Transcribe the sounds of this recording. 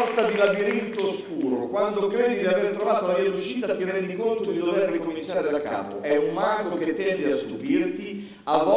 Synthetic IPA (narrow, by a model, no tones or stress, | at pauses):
t̪ad̪ilabiɾint̪oːskuːɾokwand̪okɾeːd̪id̪iaveɾt̪ɾovaːt̪oulavjiauʃːiːt̪at̪ːirɛnd̪ikont̪od̪id̪overːikomint͡ʃaːɾed̪akːa̰ːpo̰ɛumːaŋɡok̟et̪ːɛnd̪east̪upirt̪i | avːɔ